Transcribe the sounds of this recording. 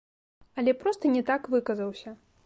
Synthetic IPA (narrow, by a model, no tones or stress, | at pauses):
ɐlʲɛpɾɔst̪ɐnʲɛt̪akvɨkɐzɐwsʲɐ